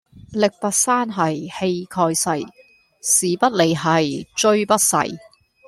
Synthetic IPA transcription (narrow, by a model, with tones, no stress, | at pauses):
lɪ˨k̚pɐ˨t̚saː˥nɦɐ˨jhe˧jkʰɔː˧jsɐ˨˩j | siː˨pɐ˥t̚le˨˧jɦɐ˨jt͡ʃɵ˥ɥpɐ˥t̚sɐ̰˨˩j